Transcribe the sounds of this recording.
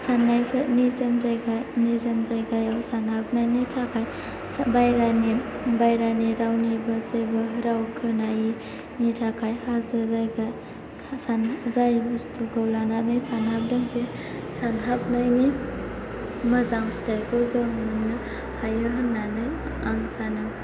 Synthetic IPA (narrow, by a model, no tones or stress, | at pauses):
sanːajpʰenizanzajɡajnizanzajɡajawsanhap̚najnitʰakʰaj | sbajɾani | bajɾaniɾawnibazebaɾawkʰɯnaji | nitʰakʰajhazazajɡaj | sanzajbustuɡawlananɯjsanhap̚dɐŋpʰe | sanɦap̚najni | mɐzamstajkʰawzamɯnnːa | hajaɦanːanɯjaŋsana